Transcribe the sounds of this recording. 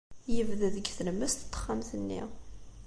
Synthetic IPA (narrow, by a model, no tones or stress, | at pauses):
jəvðəðəɡθələmːæst̪t̪ˤːə̥χːamθənːḭ